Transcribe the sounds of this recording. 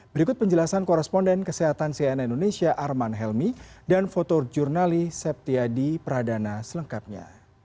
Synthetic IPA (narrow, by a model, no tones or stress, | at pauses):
bəɾikʊt̪̚pəɲd͡ʒəlasankɔɾɛspɔndɛnkəseɦat̪ansiaɛnaindonesiaʔarmanɦɛlmidanfot̪ɔd͡ʒurnalisɛp̚t̪iadipəɾadanasələŋkap̚ɲa̰